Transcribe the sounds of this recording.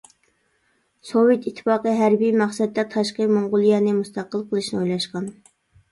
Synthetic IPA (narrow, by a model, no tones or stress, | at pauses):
sowet̪ʰit̪ʰːɨ̥fɑːqəɦæɾbijmɑχsɛd̪ːɛt̪ʰɑʃqəmoɴʁʊlˠijɛnɪmust̪ʰɑqːəlˠqʰəlˠɨʃnɪojlˠɑʃqɑn